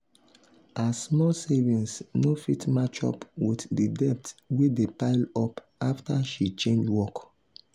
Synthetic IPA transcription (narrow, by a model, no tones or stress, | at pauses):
asmɔlsevĩnsnofitmat͡ʃɔ̰pwiθdidɛp̚twedepaɪlɔp | aftaʃit͡ʃẽnd͡ʒwɔk